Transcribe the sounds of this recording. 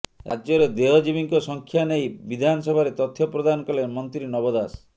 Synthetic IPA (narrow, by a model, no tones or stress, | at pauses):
ɾa̰d͡ʒd͡ʒɔɾed̪eɦɔd͡ʒibiŋkɔsɔŋkʰjanejbid̪ʱanɔsɔbʱaɾet̪ɔt̪ʰːjɔpɾɔd̪anɔkɔlemɔnt̪ɾinɔbɔd̪as